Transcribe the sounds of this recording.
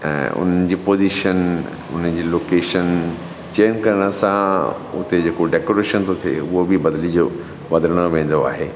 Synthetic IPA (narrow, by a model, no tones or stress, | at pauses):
ɛ̰̃ːʊ̰n̤ənɪ̆d͡ʑiːpoːziʃən | ʊ̰n̤ənd͡ʑiːloːkeːʃən | t͡ɕeːənkɐɾəɽ̃ə̆sã | ʊ̰t̪ed͡ʑeːkoɖeːkoːɾeːʃənt̪ʰot̪ʰiḛʊɦobibɐd̪lid͡ʑo | ʋɐd̪əɾəɽ̃oʋẽːn̆d̪oa̰ːɦḛː